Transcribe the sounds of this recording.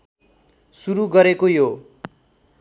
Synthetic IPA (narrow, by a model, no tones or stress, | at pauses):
suɾuɡʌɾekojo